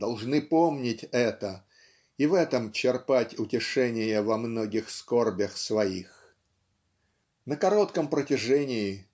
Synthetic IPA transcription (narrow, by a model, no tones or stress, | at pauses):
d̪ɐlˠʐnɨpomnʲɪtʲɛt̪ə | ivɛt̪əmt͡ɕɪrpatʲʊtʲɪʂɛnʲɪjəvɐmno̞ɡʲɪxskorbʲəxsvɐix | nəkɐɾo̞t̪kəmpɾətʲɪʐɛnʲɪɪ